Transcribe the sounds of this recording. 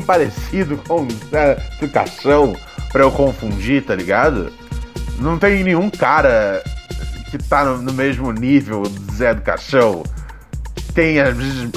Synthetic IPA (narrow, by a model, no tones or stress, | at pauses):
paɾesid̪ʊkõw̃zɛd̪ʊka̰ʃɐ̃w̃ | pɾɐewkõfũd͡ʒit̪aliɡad̪ʊ̰ | nɐ̃w̃t̪ẽj̃nẽj̃ũkaɾɐ | kɪt̪anʊnʊmeʒmʊnivewɪzɛd̪ʊka̰ʃɐ̃w̃ | t̪ẽj̃ɐzvezɪʃ